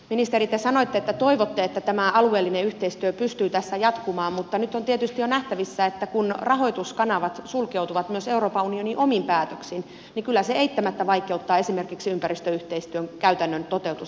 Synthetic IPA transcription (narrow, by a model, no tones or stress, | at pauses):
minist̪erit̪ːesɑnoit̪ːeet̪ːæt̪oiʋot̪ːeet̪ːæt̪æmæʔɑlueːlːineyht̪eist̪yøpyst̪yːt̪æsːæjɑt̪kumɑːmmut̪ːɑnyt̪ːont̪iet̪yst̪ijjonæht̪æʋisːæet̪ːækunrɑɦo̞it̪uskɑnɑʋɑt̪sulkewt̪uʋɑt̪myøseuroːpɑunioniʔomimpæːt̪øksin | nikylːæseeit̪ːæmæt̪ːæʋɑikeut̪ːɑːesimerkiksiympærist̪øyht̪eist̪yøŋkæyt̪ænːønt̪ot̪eut̪us